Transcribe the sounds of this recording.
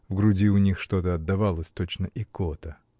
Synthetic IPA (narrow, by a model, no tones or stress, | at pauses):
vɡɾʊdʲiʊnʲixʂt̪o̞t̪əɐd̪ːɐvalˠəsʲt̪ot͡ɕnəʔɪkot̪ə